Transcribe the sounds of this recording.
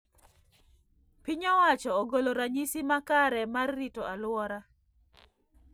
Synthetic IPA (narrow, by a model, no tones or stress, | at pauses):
piɲɔwat͡ʃɔːɡoloɾaɲisimakaɾɛmarːitoʔalʊwɔɾa